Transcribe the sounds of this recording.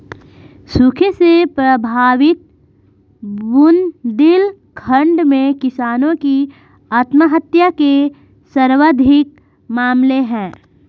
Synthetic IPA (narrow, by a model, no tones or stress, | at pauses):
sukʰesepɾəbʱaːʋɪt̪̚ | bʊnd̪ɪlkʰə̃ɳɖmẽkɪsaːnõki | aːt̪məɦət̪jake | səɾʋəd̪ʱɪk | maːmleɦɛ̃ː